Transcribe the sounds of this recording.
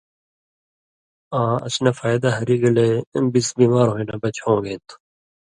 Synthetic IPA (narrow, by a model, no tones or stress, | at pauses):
ãːɐ̰snafaːjd̪aɦɐɾiːɡɐlebisbiːmaːɾɦoinɐbɐt͡ɕõːɡet̪ʰu̥